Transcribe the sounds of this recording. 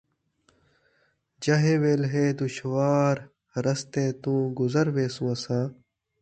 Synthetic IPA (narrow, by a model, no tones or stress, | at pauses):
d͡ʒɐɦeːʋeːlɦeːd̪ʊʃwaːɾ | ɾɐst̪eːt̪ũːɡʊzəɾʋeːsũːɐsãː